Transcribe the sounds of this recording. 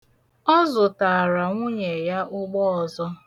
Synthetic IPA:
ɔ˦zʊ˨ta˨ɾa˨ŋʷʊ˦ɲe˨ja˦ʔʊ˦ɡ͡bɔ˦ɔ˨zɔ˦

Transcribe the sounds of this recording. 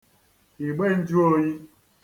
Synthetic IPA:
i˨ɡ͡be˦n̩˦d͡ʒu˦o˦ji˦

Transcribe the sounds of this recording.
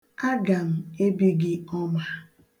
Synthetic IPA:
a˦ɡa˨m̩˨e˦bi˦ɡɪ˦ɔ˦ma˦

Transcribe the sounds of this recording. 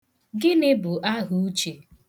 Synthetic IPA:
ɡɪ˦nɪ˦bʊ˨ʔa˦ɦu˦u˦t͡ʃe˨

